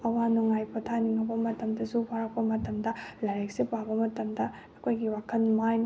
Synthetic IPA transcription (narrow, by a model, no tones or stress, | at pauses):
ɐwanuŋajpɐtʰaniŋɐbɐmɐtɐmdɐsupʰaɾɐk̚pɐmɐtɐmdɐlɐɾek̚sepabɐmɐtɐmdɐ | ɐkʰojɡiwakʰɐnmajn